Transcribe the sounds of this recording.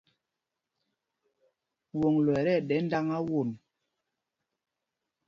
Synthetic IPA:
wo˨ŋlɛ˨ɾɛ˦˨ɗɛ˨˦n˦da˦ŋa˦wo˨n

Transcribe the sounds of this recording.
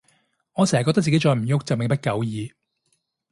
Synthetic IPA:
ŋɔː˨˧sɛ˨˩hɐ˨kɔ˧t̪̚t͡si˨e˨˥jt͡ʃɔː˧jm̩˨˩jʊ˥k̚t͡sɐ˨wme˨ŋpɐ˥t̚kɐ˨˥wjiː˨˧

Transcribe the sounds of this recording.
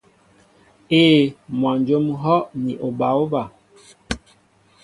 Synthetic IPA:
eː˦mwa˨nd͡ʒo˦m˦ɦɔ˦ʔni˨ʔo˨ba˨˦wo˦ba˨

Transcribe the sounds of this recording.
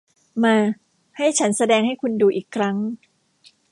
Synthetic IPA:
maː˧ | ha˥˩jt͡ɕʰa˦˥nsa˧dɛː˧ŋha˥˩jkʰu˧nduː˧ʔiː˨˩kʰːɾa˦˥ŋ

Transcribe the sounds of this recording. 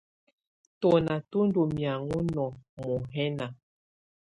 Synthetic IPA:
tɔ˨na˨tu˦n˦do˨mja˨ŋu˦nɔ˨mɔ˨ɦɛ˦na˨

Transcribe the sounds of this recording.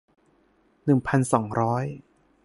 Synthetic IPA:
nɯ˨˩ŋpʰa˧nsɔː˩˦ŋɾɔː˦˥j

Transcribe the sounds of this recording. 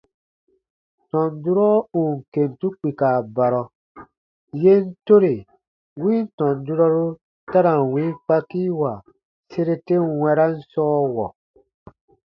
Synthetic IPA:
tɔ̃˨ndu˦ɾɔ˦u˨ŋ̩˨ke˨ntu˦k͡pi˨kaː˨ba˨ɾɔ˨ | je˦n̩˦to˦ɾe˨ | wĩː˦n̩˦tɔ̃˨ndu˦ɾɔ˦ɾu˦ | ta˦ɾa˨wĩː˦ŋ˦k͡pa˦ki˦wa˨ | se˦ɾe˦te˦ŋwɛ˧ɾa˦n̩˦sɔː˦wɔ˨

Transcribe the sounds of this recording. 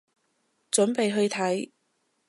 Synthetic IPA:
t͡sɵ˨˥npe˨jɦɵ˧ɥt̪ʰɐ˨˥j

